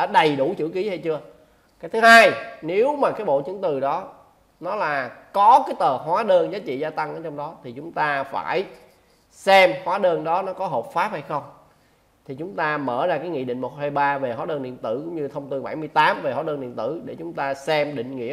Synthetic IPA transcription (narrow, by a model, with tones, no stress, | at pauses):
ɗa̰ː˧˥ɗə˨˩jɗu˧˩t͡ɕɨ̰˧˥ki˨˦ha˧jt͡ɕɨ˧ə | kaː˨˦jt̪ʰɨ˨˦haː˧jne˨˦wmaː˨˩kaː˨˦jɓo̰˧˨t͡ɕɨ˨˦əŋt̪ɨ˨˩ɗɔ˨˦ | nɔ˨˦laː˨˩kɔ˨˦kaː˨˦jt̪əː˨˩ɦwaː˨˦ɗəː˧nzaː˨˦t͡ɕḭ˧˨zaː˧t̪a˧ŋʔəː˧˩˦t͡ɕɔ˧wŋ͡mɗɔ˨˦t̪ʰi˨˩t͡ɕʊ˨˦ŋ͡mt̪aː˧fa̰ː˧˩j | sɛ˧mhwaː˨˦ɗəː˧nɗɔ˨˦nɔ˨˦kɔ˨˦ɦo˨˩p̚faː˦˥p̚ha˧jxə˧wŋ͡m | t̪ʰi˨˩t͡ɕʊ˨˦ŋ͡mt̪aː˧məː˧˩zaː˧kaː˨˦jŋḭ˧˨ɗḭ̈˧˨ŋ̟mo˨˩t̚haː˧jɓaː˧ve˨˩haː˨˦ɗəː˧nɗḭ˧˨ənt̪ɨ˧˩kʊ̰˧˥ŋ͡mɲɨ˧t̪ʰə˧wŋ͡mt̪i˧nɓa˧˩jmɨ˧əjt̪aː˨˦mve˨˩ɦwːɗəː˧nɗḭ˧˨ənt̪ɨ˧˩ɗe˧˩t͡ɕʊ˨˦ŋ͡mt̪aː˧sɛ˧mɗḭ̈˧˨ŋ̟ŋḭ˧˥ə